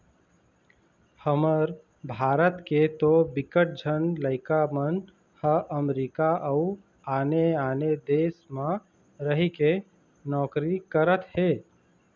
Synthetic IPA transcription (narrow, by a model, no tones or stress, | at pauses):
həməɾ | bʱaːɾət̪ket̪obɪkəʈ̚d͡ʒʱənləɪkamən | həʔəmɾiːkaʔəu | aːneaːned̪eːsmã | ɾəɦike | nɔːkɾikəɾət̪heː